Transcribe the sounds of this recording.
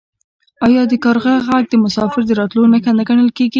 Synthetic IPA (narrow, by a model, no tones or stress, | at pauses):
ɑjɑd̪əkɑɾɣaɣaɡ̚d̪əmʊsɑfɪɾd̪əɾɑt̪lonaxand̪aɡaɳəlkeɡi